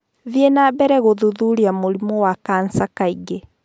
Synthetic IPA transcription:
ðjenabɛɾɛɣoðuðuɾiamoɾimɔwakaːnsakaiɡe

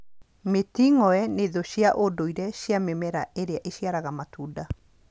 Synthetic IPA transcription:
metiŋɔɛneðoɕjaʔodoiɾɛɕjamemɛɾaʔeɾeaʔeɕiaɾaɣamatuːda

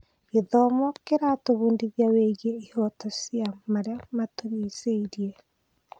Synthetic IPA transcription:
eðɔmɔkeɾatoβuːndiðjaweɣeihɔtɔsjamaɾeamatoɾiseiɾje

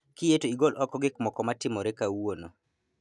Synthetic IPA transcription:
kɪjetoiɡolʔɔkɔɡɪk̚mɔkɔmatɪmɔɾɛkawono

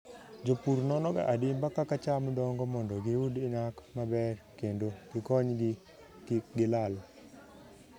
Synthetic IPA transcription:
d͡ʒopuɾnɔnɔɡa̰ʔadɪmbakakat͡ʃamdɔŋɡɔmɔndɔɡiwudɪnakmabɛrkendoɡɪkɔɲɡ | ɡɪlal

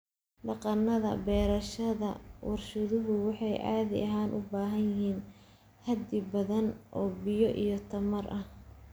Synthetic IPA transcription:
ɖɑqɑnːɐðɐ̰bɛːɾɐʃɐðɐ̰wɑrʃɐðʊɦʊwɑħɑjʔa̰ːðɪ̰ʔɐɦaːnʔʊbaːɦɐnjɪhiːn | hɐd̪ɪbɐðɐnʔɔːbɪjɔʔḭjɞt̪ʰɐmɐrʔɐh

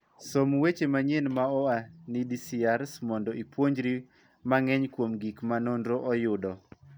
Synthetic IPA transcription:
somwet͡ʃemaɲenmaɔanidisiaɾsmɔndɔipwoɲd͡ʒɾi | maŋɛɲkwomɡikmanondɾoʔɔjʊdɔ

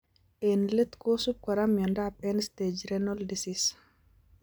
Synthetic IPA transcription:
ʔenlet̪kosup̚kwaɾamjɔndapʼɛnst̪ed͡ʒɾɛnɔldisis

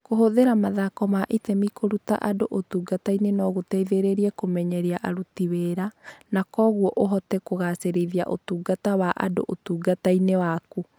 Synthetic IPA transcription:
koɦoðeɾamaðakɔmaʔitɛmikʰoɾuta̰ʔadoʔotuɡatainenɔɣotɛiðeɾeɾiɛkomɛɲɛɾiaʔaɾutiweɾanakɔɣwɔʔoɦɔtɛkoɣaseɾeðia̰ʔotuːɡatawaʔa̰do̰ʔotuːɡatainewaku

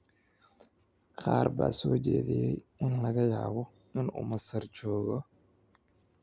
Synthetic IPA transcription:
qʰɑːrba̰ːsɔːd͡ʒɛ̰ːðɛjɛjɪnlɐɣɐjaːβɔ | ɪnʊ̰mɐsɐrt͡ʃɔːɣɔ

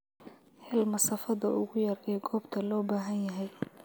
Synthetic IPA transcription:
hɛlmɐsɐfɐðɐʊɣʊjɐrɛːɡɔːbt̪ʰɐlɔːbaːɦɐnjɐɦɛj

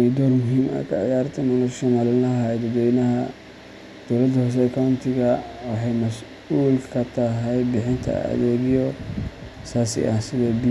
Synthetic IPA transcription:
ɛd̪ɔrmʊɦiːmɐ̰kʰɐ̰ʕɪ̰jaːɾt̪ʰɐmɐnɐʃɔnalɪnɐɦajd̪ɐd̪wɛjnɐɦɐ | d̪̥ɔwlɐd̪hɔs̬ɛɐkʰawnt̪ʰɪɣɐwɑħɑjmɐs | uːlkʰɐt̪ʰɐɦɛjbɪħɪnt̪ʰɐ̰ɐ̰ðɛːɣɪjɔ | saːsɪ̰ʔɐhsɪðɛːbi

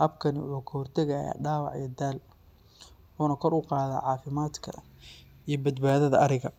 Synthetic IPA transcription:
hɐbkʰɐnɪwʊ̰ħuːkʰɐhɔrt̪ʰɛɣɐja̰ːɖaːwɑ̰ʕḭjd̪aːl | ħuːnɐkʰɔrʊqɑːða̰ːʕɑːfɪmaːd̪kʰɐ̰ | ijɞbɐd̪baːðɐðɐɐɾɪɣɐ

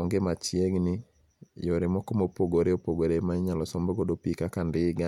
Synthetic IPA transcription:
ɔŋɡemat͡ʃjeɡnɪ | joɾɪmɔkomopoɡoɾeopoɡoɾemaɲalɔsɔmbɔɡodopikakandɪɡa

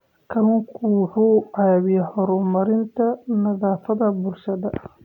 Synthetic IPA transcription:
kʰɐlʊŋkʰʊwħuːɑβɪjɛhɔɾʊmɐɾɪnt̪ʰɐnɐðaːfɐðɐbʊlʃɐðɐ

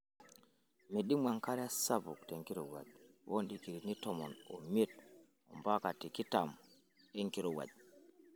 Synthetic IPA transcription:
miɗimwaŋkaɾasabṵkteŋkiɾɔwa̰d͡ʒwʔonɗikiɾinitɔmɔnɔ̰mit̚ | ɔ̰mbakatikitam | eŋkiɾɔwa̰d͡ʒ

